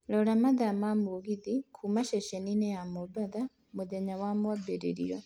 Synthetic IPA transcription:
lɔɺamad̪amamuɡid̪ikʰumaʃɛʃɛninɛamɔbad̪a | mud̪ɛɲawamuwabɛɾɛ̰ɾḭɾɔ

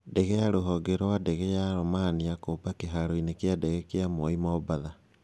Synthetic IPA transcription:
dɛɣɛjaɾoɦɔɡeɾɔwadɛɣɛjaɾɔmaniakoːpakeɦaɾoinekeadɛɣɛkeamɔimɔbaða

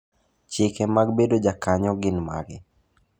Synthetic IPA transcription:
t͡ʃɪkɛmaɡ̚bedod͡ʒakaɲɔɡɪnma̰ɡɪ

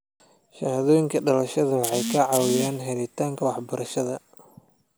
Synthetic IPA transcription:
ʃɐhðɔːjɪŋkʰɐɖɐlɐʃɐðɐwɑħɑjkʰɐʕɑwɪjaːnɦɛlɪt̪ʰaːŋkʰɐwɑħbɐɾɐʃɐðɐ

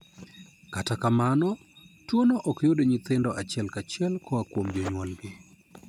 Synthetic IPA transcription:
katakamanɔ | twonoʔɔkjodeɲɪt̪ɪndɔʔat͡ʃɛlkat͡ʃjɛlkʰɔakwomd͡ʒoɲwɔlɡɪ

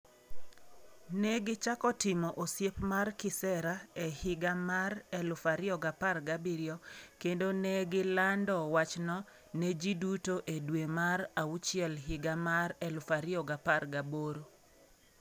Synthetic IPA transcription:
nɛɡɪt͡ʃakɔtɪmɔʔosjepmarkɪsɛɾaɛhɪɡamaɾɛlʊfaɾɪɔɡaparɡabiɾɪɔkendonɛɡɪlandɔwat͡ʃnɔ | ned͡ʒidutoʔedwemaɾaut͡ʃɪɛlɦɪɡamaɾɛlʊfaɾɪɔɡaparɡaboɾo

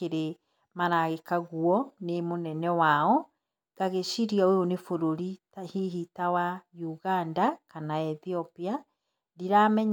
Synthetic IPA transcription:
keɾe | maɾaɣekaɣuɔnemonɛnɛwaɔ | ɡ̥aɣeɕiɾiaojonefoɾoɾi | hiɦitawajuɣandakanaɛθiɔpia | diɾamɛɲ

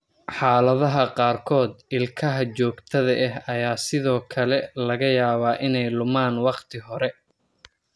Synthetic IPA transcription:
ħɑːlɐðɐɦɐqɑːrkʰɔːd̪ɪlkʰɐɦɐt͡ʃɔːɡt̪ʰɐðɐʔɛɦɐjaːsɪðɔːkʰɐlɛlɐɣɐjaːβaːʔɪnɛjlʊmaːnwɑqt̪ʰɪɦɔɾɛ

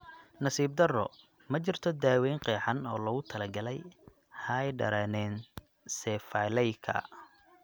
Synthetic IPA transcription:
nɐsiːb̚d̪ɐrɔ̰ | mɐt͡ʃɪrt̪ʰɔd̪aːwɛjŋqɛːħɑnɔːlɐɣʊt̪ʰɐlɐɡɐlɛj | hɐjɖɐ̰ɾɐnɛːn | sɛfajlɛjkʰɐ̰

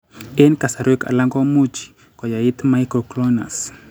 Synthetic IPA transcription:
enkasaɾeka̰laŋɡamud͡ʒi̥ | kwajait̪maikɾɔklɔna̰s

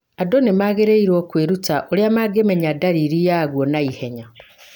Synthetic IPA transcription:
adonemaɣeɾeiɾwokweɾutaʔoɾjamaɡemeɲadaɾiɾijaɣwonaiheɲa

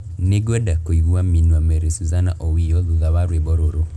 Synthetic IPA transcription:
neɡɛdakoiɣuaminwamɛɾesuzana̰ʔɔwiɔðuðaβaɾwebɔɾoɾo

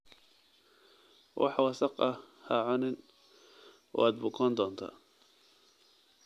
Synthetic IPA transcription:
wʔɑ̰ħwɑsɑqɐ | haʕʊnɪn | ɔ̰aːd̪̚bʊkʰɔːnd̪ɔːnt̪ʰa̰ː

